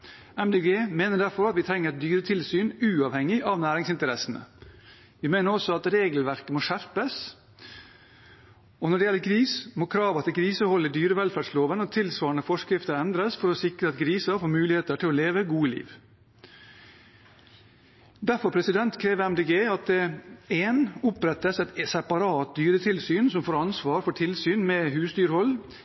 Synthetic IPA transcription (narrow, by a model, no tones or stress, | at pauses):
ɛmd̪eɡeːmeːnəɖ̪æɾfɔɾɑt̪ʋɪt̪ʰɾɛŋːəɾɛt̪̚d̪yːɾət̪ʰɪlsyːnʉːɑʋhɛŋːɪʔɑʋnæːɾɪŋsɪnt̪əɾɛsn̩ə̰ | ʋɪmeːnəɾɔsɔɑt̪ɾeːɡəlʋæɾkəmoːʂæɾpəs | ɔnɔɖɛjɛlːəkʰɾiːsmokʰɾɑːʋɑt̪ɛkʰɾiːsəhɔlːəd̪yːɾəʋɛlfæɖʂloːʋənəɔt̪ʰɪlsʋɑːɾɳəfɔʂkɾɪft̪əɾɛnd̪ɾəsfɔɾɔsɪkɾəɑt̪ɡɾiːsɑfoːɾmʉːlɪheːt̪əʈʰɪlɔleːʋəɡuːəlḭːʋ | d̪æɾfɔɾpʰɾɛsɪd̪ɛnt̪kʰɾeːʋəɛmd̪eːɡeːɑt̪̚d̪ɛeːnʊpɾɛt̪ːəsɛt̪sɛpɑɾɑːt̪̚d̪yːɾət̪ʰɪlsyːnsɔmfoːɾɑnsʋɑːɾfɔʈʰɪlsyːnmɛɦʉːsd̪yːɾəhɔlː